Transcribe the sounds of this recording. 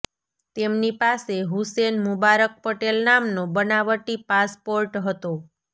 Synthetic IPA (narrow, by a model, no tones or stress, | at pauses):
t̪emnipaseɦusenmʊbaɾək̚pəʈelnamnobənaʋəʈipaspoɾʈɦət̪o